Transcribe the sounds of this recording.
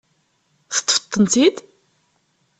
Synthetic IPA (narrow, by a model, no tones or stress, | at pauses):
θə̥t̪ːˤfə̥t̪ˤːənt̪id̪